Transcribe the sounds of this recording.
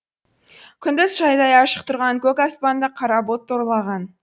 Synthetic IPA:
kʲʰʏnd̪ɪzʒɑjd̪ɑjɑʃə̥q̚t̪ʰʊɾʁɑŋkʲʰɵkɑspɑnd̪əqʰɑɾɑbot̪ːoɾlˠɑʁɑn

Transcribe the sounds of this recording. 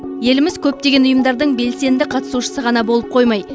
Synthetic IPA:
je̞lɪmɪzkʲʰɵp̚t̪e̞ɡʲe̞nʊjəmd̪ɑɾd̪əɴbe̞lse̞nd̪ɪqʰɑt̪ə̥suʃə̥səʁɑnɑbo̞lˠəp̚qʰo̞jmɑj

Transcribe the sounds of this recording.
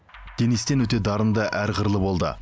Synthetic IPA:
d̪̥e̞nest̪e̞nwɵt̪̬e̞d̪ɑɾənd̪əʔæɾqəɾlˠəbo̞lˠd̪ə̰

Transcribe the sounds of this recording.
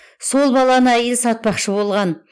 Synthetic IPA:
so̞lˠbɑlˠɑnəæjɪlsɑt̪̚pɑqʃəbo̞lˠʁɑn

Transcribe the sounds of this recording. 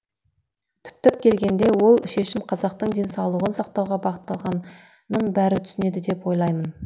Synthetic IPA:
t̪ʰʏ̥p̚t̪ɪp̚kʲʰe̞lɡʲe̞nd̪e̞wo̞lˠʃe̞ʃɪmqʰɑzɑq̚t̪əɴd̪e̞nsɑwlˠəʁənsɑq̚t̪ɑwʁɑbɑʁət̪ːɑlˠʁɑnː | əɴbæɾɪt̪ʰʏ̥sɪne̞d̪ɪd̪e̞pwo̞jlˠɑjmən

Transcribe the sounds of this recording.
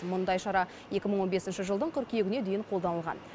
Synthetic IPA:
mʊnd̪ɑjʃɑɾɑ | je̞kʲɪməɴwo̞nbe̞sɪnʃɪʒəlˠd̪əɴqʲʰʏɾkʲijeɡʲɪned̪e̞jɪɴqʰo̞ld̪ɑnəlˠʁɑ̰n

